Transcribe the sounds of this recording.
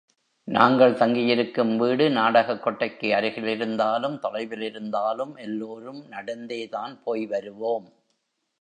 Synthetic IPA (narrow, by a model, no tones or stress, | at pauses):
naːŋɡɐɭt̪ɐŋɡɪjɪɾɯkːɯmʋiːɽɯnaːɽɐɣɐkːɔʈːɐɪkːɯɐɾɪɣɪlɪɾɯnd̪aːlɯmt̪ɔlɐɪʋɪlɪɾɯnd̪aːlɯmʔɛlːoːɾɯmnɐɽɐnd̪eːðaːnpoːjʋɐɾɯʋoːm